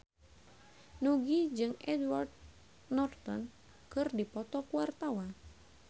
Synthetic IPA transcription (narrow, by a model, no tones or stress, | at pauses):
nuɡid͡ʒɨŋʔɛdward̪̚ | nɔrt̪ɔn | kɨrdipɔt̪ɔkuwart̪awa